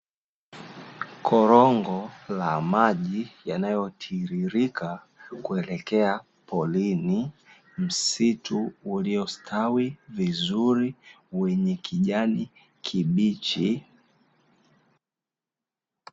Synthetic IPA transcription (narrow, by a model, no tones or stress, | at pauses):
kʰɔɾɔŋɡɔlamaʄijanajɔtʰiɾiɾikʰa | kuɛlɛkɛa | pɔlini | m̩situːliɔstʰawivizuɾi | wɛɲɛkʰiʄani | kʰiɓit͡ʃi